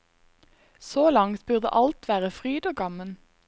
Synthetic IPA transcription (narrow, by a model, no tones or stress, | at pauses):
soːlɑŋt̪bʉʁd̪ə̰ʔɑlt̪ʋæːʁəfʁyːd̪oːɡɑmən